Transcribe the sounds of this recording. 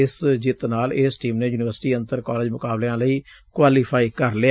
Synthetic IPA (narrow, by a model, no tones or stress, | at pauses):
ɪsd͡ʒɪt̪naːlɪsʈiːmneːjuːnɪʋəɾsʈiːənt̪əɾkaːleːd͡ʒmʊkaːbleãːləiː | kwaːliːpʰaːiːkəɾle